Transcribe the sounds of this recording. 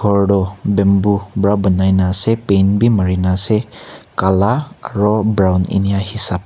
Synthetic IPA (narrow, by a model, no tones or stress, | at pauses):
ɔɹdɔbɛmbubɹabɔnajnasɛpejnbimaɹinasɛkalaaɹɔbɹawnḭnijahisap̚